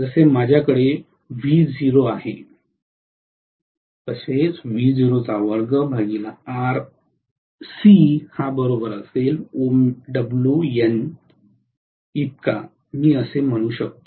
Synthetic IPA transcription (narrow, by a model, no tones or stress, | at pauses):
d͡zəsemad͡ʑʱjakəɽe | ʋiːd͡ziɾoaɦe | t̪əset͡sʋiːd͡ziɾot͡saʋəɾɡəbʱaɡilaaɾ | sihabəɾobəɾəselomɖəbljuen | it̪̚ka̰ | miːəsem̤əɽ̃ũːɕək̚t̪o